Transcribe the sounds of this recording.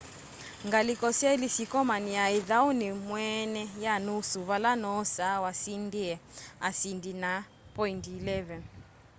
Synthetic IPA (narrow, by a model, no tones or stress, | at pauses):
ŋɡalikɔsailisikɔmaniaiðaunimwɛnɛjanusuβalanɔsawasindiɛasindina | pɔintilɛvɛn